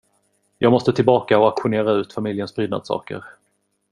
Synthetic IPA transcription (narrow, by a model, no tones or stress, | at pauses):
jʔɑːɡmɔst̪ət̪ʰɪlbɑːkaɔakɧʊneːɾaʉ̟ːt̪famɪljənsbɾyːd̪na̰d̪sɑ̰ːkə̰ɾ